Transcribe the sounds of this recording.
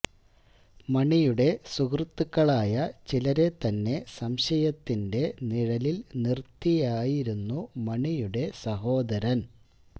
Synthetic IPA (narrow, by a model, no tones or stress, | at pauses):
mɐɳijuɽe̞sukrt̪ːukːɐɭaːjɐt͡ɕilɐɾe̞t̪ɐnːe̞sɐmɕɐjɐt̪ːinde̞niɻɐlilnirt̪ːijaːjiɾunːumɐɳijuɽe̞sɐɦo̞ːd̪ɐɾɐn